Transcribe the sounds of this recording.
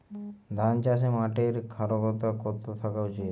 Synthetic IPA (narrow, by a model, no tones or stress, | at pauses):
d̪ʱant͡ʃas̬emaʈeɾkʰaɾokɔt̪akɔt̪ot̪ʰakawt͡ʃi